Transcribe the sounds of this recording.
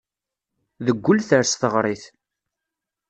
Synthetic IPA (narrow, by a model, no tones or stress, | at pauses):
ðəɡʷːʊlθəɾsθəʁɾˤiθ